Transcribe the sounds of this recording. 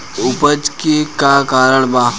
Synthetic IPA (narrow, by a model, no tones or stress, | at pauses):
ʊpəd͡ʒkekakaːɾəɳ̃baː